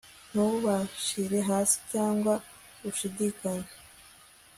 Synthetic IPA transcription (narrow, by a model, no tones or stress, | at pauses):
n̥uβaʃiɾe̞ɦaːsi̥caːŋɡwa | ɡuʃidikaɲe